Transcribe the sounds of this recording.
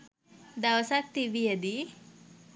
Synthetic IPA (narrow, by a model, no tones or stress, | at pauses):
d̪awsak̚t̪iʋijəd̪i